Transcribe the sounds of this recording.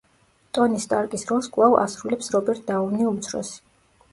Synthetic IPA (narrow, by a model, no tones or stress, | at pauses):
t̪ʼɔnist̪ʼaɾkʼisɾɔlˠskʼwˠava̰sɾulɛpsɾɔbɛɾt̪̚ʰd̪aɔvniumt̪sʰɾɔ̰si̥